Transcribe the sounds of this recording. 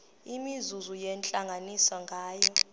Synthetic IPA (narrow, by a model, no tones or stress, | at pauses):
imizuzujɛnt͡ɬʼaŋɡʱanisaŋɡʱaːjɔ